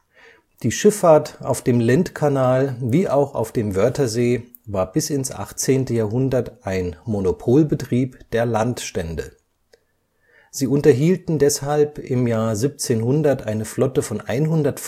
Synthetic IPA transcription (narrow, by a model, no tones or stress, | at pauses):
d̥iːʃɪfaɐtʔa̰ʊfd̥eːmlɛntkʰanaːlviːʔaʊxa̰ʊfd̥eːmvœɐtɐzeː | vaːɐbɪsɪnsʔa̰χt͡seːntəjaːɐɦʊndɐtʔaɪnmonopʰoːlbətʁ̥iːpd̥eːɐlantʃtɛndə̰ | z̥iːʊntɐɦiːltn̩dɛshalpɪmjaːɐzip̚t͡seːnhʊndɐtʔaɪnəflɔtəfɔnʔa̰ɪnɦʊndɐtf